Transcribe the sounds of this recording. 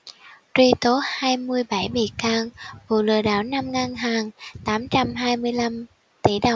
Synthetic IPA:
t̪wi˧t̪o˨˦haː˧jmɨ˧əjɓa˧˩jɓḭ˧˨kaː˧ŋvṵ˧˨lɨ̰˧˨əɗa̰ː˧˩wna˧mŋa˧ŋɦaː˨˩ŋt̪aː˨˦mt͡ɕa˧mɦaː˧jmɨ˧əjla˧m | t̪i˧˩ɗə˨˩w

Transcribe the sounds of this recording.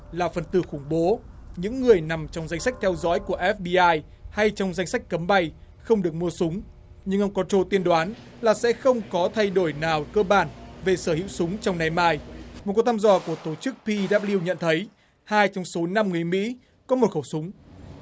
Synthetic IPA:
laː˨˩fə˨˩nt̪ɨ˧˩xʊ˧˩ŋ͡mɓo˨˦ɲɨ̰˧˥ŋːɨ˨˩əjna˨˩mt͡ɕɔ˧wŋ͡mza˧jŋ̟sa˦˥k̚t̪ʰɛ˧wzɔ̰˧˥jku˧˩əʔɛ˦˥f̚ɓi˧ʔaː˧j | ha˧jt͡ɕɔ˧wŋ͡mza˧jŋ̟sa˦˥jk̟̚kːə˨˦mɓa˨˩j | xə˧wŋ͡mɗɨ˨˩ək̚mu˧əsʊ˨˦ŋ͡m | ɲɨ˧ŋʔə˧wŋ͡mkɔ˨˦t͡ɕo˧t̪i˧ənɗwaː˨˦n | laː˨˩sɛ̰˧˥xə˧wŋ͡mkɔ˨˦t̪ʰa˧jɗo˧˩jnaː˨˩wkəː˧ɓaː˧˩nve˨˩səː˧˩hḭ˧˥˨wsʊ˨˦ŋ͡mt͡ɕɔ˧wŋ͡mna˧jmaː˧jmo˨˩t̚ku˨˩k̚t̪ʰːzɔ˧˩ku˧˩ət̪o˧˩t͡ɕɨ˦˥k̚pi˧ɗaː˦˥p̚li˧əwɲə̰˧˨nt̪ʰə˨˦j | haː˧jt͡ɕɔ˧wŋ͡mso˨˦na˧mŋɨ˨˩əjmḭ˧˥ | kɔ˨˦mo˨˩t̚xə˧˩wsʊ˨˦ŋ͡m

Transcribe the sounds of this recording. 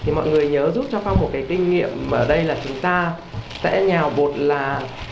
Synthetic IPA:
t̪ʰi˨˩mɔ̰˧˨jŋɨ˨˩əjɲəː˨˦zu˦˥p̚t͡ɕɔ˧xa˧wŋ͡mmo˨˩t̚kaː˨˦jkï˧ŋ̟ŋḭ˧˨əmː˨əː˧˩ɗə˧jlaː˨˩t͡ɕʊ˨˦ŋ͡mt̪aː˧ | sɛ̰˧˥ɲaː˨˩wɓo˨˩t̚laː˨˩

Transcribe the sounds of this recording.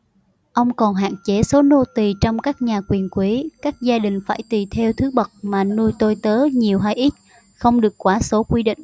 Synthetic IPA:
ʔə˧wŋ͡mkɔ˨˩nɦa̰ː˧˨nt͡ɕe˨˦so˨˦no˧t̪i˨˩t͡ɕɔ˧wŋ͡mkaː˦˥k̚ɲaː˨˩kwi˨˩ənkwi˨˦kaː˦˥k̚zaː˧ɗï˨˩ŋ̟fa̰ː˧˩jt̪i˨˩t̪ʰɛ˧wt̪ʰɨ˨˦ɓə˨˩t̚maː˨˩nu˧jt̪o˧jt̪əː˨˦ɲi˨˩əwɦaː˧jʔi˦˥t̚ | xə˧wŋ͡mɗɨ˨˩əkːwaː˨˦so˨˦kwi˧ɗḭ̈˧˨ŋ̟

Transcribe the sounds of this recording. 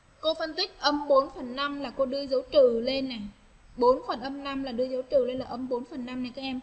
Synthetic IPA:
ko˧fə˧nt̪ï˦˥k̚ʔə˧mɓo˨˦nfə˨˩nːa˧mlaː˨˩ko˧ɗɨ˧əzə˨˦wt͡ɕɨ̰˧˨le˧nːa˨˩ | ɓo˨˦nfə˨˩nʔə˧mna˧mlaː˨˩ɗɨ˧əzə˨˦wt͡ɕɨ̰˧˨le˧nlaː˨˩ʔə˧mɓo˨˦nfə˨˩nːa˧mna˨˩jkaː˨˦˥kʔɛ˧m

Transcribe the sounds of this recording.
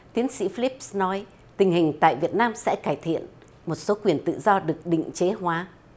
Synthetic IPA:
t̪i˨˦ənsḭ˧˥fli˦˥p̚snɔ˨˦j | t̪ï˨˩ŋ̟hï˨˩ŋ̟t̪a̰ː˧˨jvi˨˩ət̚naː˧msɛ̰˧˥kaː˧˩jt̪ʰḭ˧˨ən | mo˨˩t̚so˨˦kwi˨˩ənt̪ɨ̰˧˨zɔ˧ɗɨ˨˩ək̚ɗḭ˧˨ŋ̟t͡ɕe˨˦ɦwaː˨˦

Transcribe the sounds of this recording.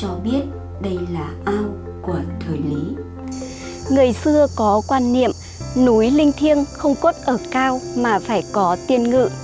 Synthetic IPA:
t͡ɕɔ˧ɓi˦˥ət̚ | ɗə˧jlaː˨˩ʔaː˧w | ku˧˩ət̪ʰəː˨˩jli˨˦ | ŋɨ˨˩əjsɨ˧əkɔ˨˦kwaː˧nːḭ˧˨əm | nu˨˦jlï˧ŋ̟t̪ʰi˧ənxə˧wŋ͡mko˦˥t̚ʔəː˧˩kaː˧wmaː˨˩faː˧˩jkɔ˨˦t̪i˧ənŋɨ̰˧˨

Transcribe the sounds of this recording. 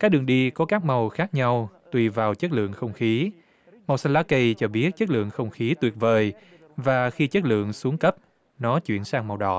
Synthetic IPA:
kaː˦˥k̚ɗɨ˨˩əŋɗi˧kɔ˨˦kaː˦˥k̚ma˨˩wxaː˦˥k̚ɲa˧wt̪wi˧˩vaː˨˩wt͡ɕə˦˥t̚lɨ̰˧˨əŋxə˧wŋ͡mxi˨˦ | ma˨˩wsa˧laː˨˦˥kə˧jt͡ɕɔ˧ɓi˦˥ət̚t͡ɕə˦˥t̚lɨ̰˧˨əŋxə˧wŋ͡mxi˨˦t̪wi˨˩ət̚vəː˨˩j | vaː˨˩xi˧t͡ɕə˦˥t̚lɨ̰˧˨əŋsu˨˦əŋkə˦˥p̚ | nɔ˨˦t͡ɕwḭ˧˨ənsaː˧ŋma˨˩wɗɔ̰˧˩˨

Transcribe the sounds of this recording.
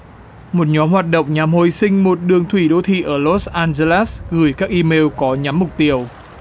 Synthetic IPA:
mo˨˩t̚ɲɔ˨˦mhwaː˨˩t̚ɗə̰˧˨wŋ͡mɲa˨˩mho˧˨˩jsï˧ŋ̟mo˨˩t̚ɗɨ˨˩əŋt̪ʰwi˧˩ɗo˧t̪ʰḭ˧˨ʔəː˧˩lo˦˥sʔaː˧nze˧laː˦˥sɣɨ˧˩jkaː˦˥k̚ʔi˧me˧wkɔ˨˦ɲa˨˦mːʊ˨˩k͡p̚t̪i˧əw

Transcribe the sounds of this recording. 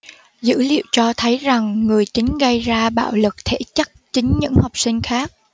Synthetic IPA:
zɨ̰˧˥lḭ˧˨əwt͡ɕɔ˧t̪ʰə˨˦jza˨˩ŋːɨ˨˩əjt͡ɕï˨˦ŋ̟ɣə˧jzaː˧ɓa̰ː˧˨wlɨ˨˩k̚t̪ʰḛ˧˩t͡ɕə˦˥t̚t͡ɕï˨˦ŋ̟ɲɨ̰˧˥ŋha˨˩wk͡p̚sï˧ŋ̟xaː˦˥k̚

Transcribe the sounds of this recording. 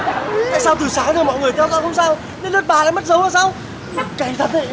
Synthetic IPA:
t̪a̰ː˧˨jsaː˧wt̪ɨ˨˩saː˨˦ŋt̪ə˨˧˩mɔ̰˧˨jŋɨ˨˩əjt̪ʰɛ˧wzɔ̰˧˨hʰə˧ŋ͡msaː˧w | ne˧nɗɨ˦˥t̚ɓaː˨˩laː˧˥˦m˦˥t̚zə˨˦wʔaː˧˨saː˧w | kaː˨˧˩t̪ʰə˨˩t̚ə˧˨

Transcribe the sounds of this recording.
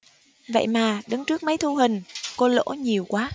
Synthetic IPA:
və̰˧˨jmaː˨˩ɗɨ˨˦ŋt͡ɕɨ˦˥ək̚mə˨˦jt̪ʰu˧ɦï˨˩ŋ̟ko˨˧lo̰˧˥ɲi˨˩əwkwaː˨˦

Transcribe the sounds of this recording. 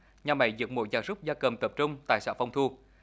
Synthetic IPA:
ɲaː˨˩ma̰˧˩˦jzɨ̰˨˥ək̚mo̰˧˦jzaː˨˩jzʊ˦˥p̚zaː˧kə˨˩mt̪ə˨˩p̚t͡ɕʊ˧ŋ͡mt̪a̰ː˧˨jsa̰ː˧˥fa˧wŋ͡mt̪ʰu˧

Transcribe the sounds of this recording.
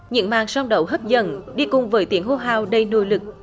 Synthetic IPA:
ɲɨ̰˧˥ŋmaː˨˩ŋsa˧wŋ͡mɗə˨˩wɦə˦˥p̚zə̰˧˩nɗi˧kʊ˨˩ŋ͡mvəː˨˦jt̪i˨˩˦əŋho˧˩ɦaː˧wɗə˧jno̰˧˨jlɨ˨˩k̚

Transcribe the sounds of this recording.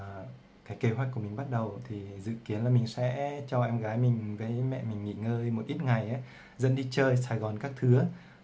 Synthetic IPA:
kaː˨˦jke˨˦ɦwa˧˥jk̟kəmï˨˩ŋ̟ɓa˦˥t̚ɗə˨˩wt̪ʰi˨˩zɨ̰˧˨ki˨˦ənlaː˨˩mï˨˩ŋ̟sɛ̰˧˥t͡ɕɔ˧ʔɛ˧mɣaː˨˦jmï˨˩ŋ̟vəː˨˦jmɛ̰˧˨mï˨˩ŋ̟ŋḭ˧˨ŋəː˧jmo˨˩t̚ʔi˦˥t̚ŋa˨˩jʔa˨˦ | zə̰˧˥nɗi˧t͡ɕəː˧js̬aː˧˩jɣɔ˨˩nkaː˦˥k̚t̪ʰɨ˨˦ə

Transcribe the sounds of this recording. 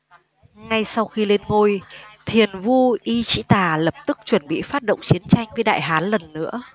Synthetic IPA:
ŋa˧jsa˧wxi˧le˧nŋo˧jt̪ʰi˨˩ənvu˧ʔi˧t͡ɕḭ˧˥t̪aː˨˩lə˨˩p̚t̪ɨ˦˥k̚t͡ɕwə˧˩nɓḭ˧˨faː˦˥t̚ɗo̰˧˨wŋ͡mt͡ɕi˨˦ənt͡ɕa˧jŋ̟və˨˦jɗa̰ː˧˨jɦaː˨˦nlə˨˩nːɨ̰˧˥ə

